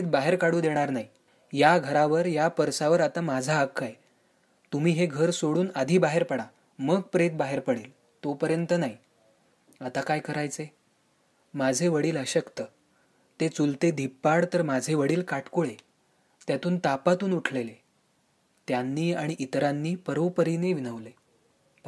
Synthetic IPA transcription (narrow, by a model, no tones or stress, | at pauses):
et̪̚baɦeɾkaɽũːd̪eɽ̃aɾnaɦi | jaɡʱəɾaʋəɾjapəɾsaʋəɾat̪amad͡zʱaːkʰːaj | t̪umiːɦeɡʱəɾsoɽuːnad̪ʱiːbaɦeɾpəɽa | məɡ̚pɾet̪̚baɦeɾpəɽeːl | t̪opəɾjənt̪ənaɦi | at̪akajkəɾajt͡se | mad͡zʱeʋəɽiːləɕəkt̪ə | t̪et͡sult̪ed̪ʱipːaɽt̪əɾmad͡zʱeʋəɽiːlkaʈʰkoɭe | t̪jat̪uːnt̪apat̪uːnuʈʰlele | t̪janːiːaɽ̃iʔit̪ɾanːiːpəɾowpəɾineʋinəʋle